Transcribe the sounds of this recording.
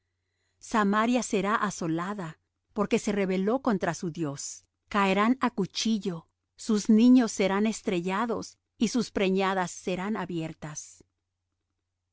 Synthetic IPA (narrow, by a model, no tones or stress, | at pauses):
samaɾjase̞ɾaʔaso̞laða | po̞ɾke̞se̞re̞βe̞lo̞ko̞nt̪ɾasuðjo̞s | kaeɾanakut͡ʃiʝo̞ | suznĩɲo̞sːe̞ɾane̞st̪ɾe̞ʝaðo̞̰s | isuspɾe̞ɲaðasːe̞ɾanaβje̞ɾt̪as